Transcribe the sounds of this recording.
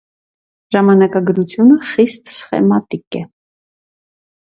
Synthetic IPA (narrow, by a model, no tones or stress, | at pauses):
ʒɑmɑnɑkɑɡɾut͡sʰjunəχist̪sχɛ̰mɑt̪ikɛ